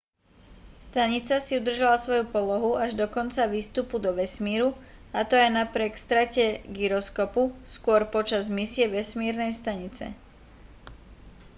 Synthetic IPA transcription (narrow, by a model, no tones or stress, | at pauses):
st̪aɲit͡sasiud̪r̩ʒalasʋɔjupɔlɔɦuaʒd̪ɔkɔnt͡saʋiːst̪upud̪ɔʋɛsmiːɾuat̪ɔajnapɾɪɛkst̪ɾacɛɡiɾɔskɔpuskʊɔɾpɔt͡ʃazmisɪɛʋɛsmiːɾnɛjst̪aɲit͡sɛ̰